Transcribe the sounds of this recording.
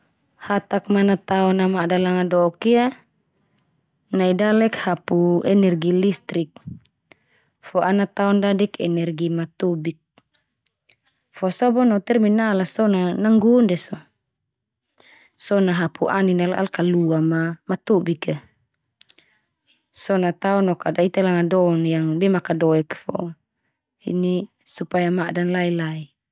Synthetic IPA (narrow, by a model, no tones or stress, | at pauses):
hat̪ak̚manat̪aɔnamadalaŋadɔkia | naidalɛkhapuɛnɛrɡilist̪ɾik̚ | fɔʔanat̪aɔndadikɛnɛrɡimat̪ubik̚ | fɔsɔbɔnɔt̪ɛrminalasɔnanaŋɡundɛsɔ | sɔnaɦapʰuʔaninalʔa̰lkaluamamat̪ubika | sɔnat̪aɔnɔkadait̪alaŋadɔnjaŋbɛmakadɔɛkfɔ̰ | ḭni | supajamadanlailai